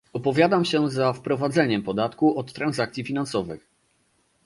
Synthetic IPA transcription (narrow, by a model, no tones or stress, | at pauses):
ɔpɔvʲjad̪amɕɛzafpɾɔvad̪zɛɲɛmpɔd̪at̪kuɔt̪ːɾanzakt̪sʲifʲinansɔvɘ̰x